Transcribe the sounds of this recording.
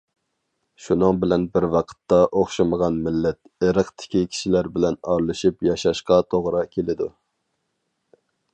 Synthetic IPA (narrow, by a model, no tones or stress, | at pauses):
ʃunɨŋbɪlɛnbɪɾwɑqʰə̥t̪ːɑʔoχʃɨməʁɑnmɪlːɛt̪̚ | eɾəqt̪ʰɪ̥kʲikʲʰi̥ʃilæɾbɪlɛnɑɾlˠɨʃipjɑʃɑʃqɑt̪ʰoʁɾɑkʲʰelɪd̪u